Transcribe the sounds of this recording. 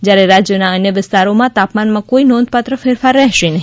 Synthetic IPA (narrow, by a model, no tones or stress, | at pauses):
d͡ʒjaɾeɾad͡ʒjənaənjəʋɪst̪aɾomãt̪apmanmãkoinɔnd̪pat̪ɾəfeɾfaɾːɛɦʃenəɦi